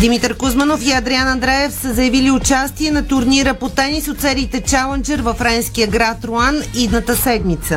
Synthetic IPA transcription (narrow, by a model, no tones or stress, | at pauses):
d̪imit̪əɾkʊzmənofiɐd̪ɾianɐnd̪ɾɛɛfsəzɐjɐviliʊt͡ʃast̪iɛnɐt̪ʊɾniɾəpot̪ɛnisot̪sɛɾiːt̪ɛt͡ʃalˠɛnd͡ʒɛɾvəfɾɛnskijəɡɾat̪ɾʊanid̪nət̪əsɛd̪mit̪sə